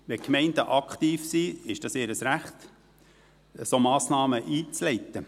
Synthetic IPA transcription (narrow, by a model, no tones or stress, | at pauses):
ʋɛkmɛɪndəʔɑkχt̪iːfsiɪʃd̥ɑseːɾəsɾæχt̪ | əsomɑːsnɑːməʔiːt͡slɛɪt̪ːə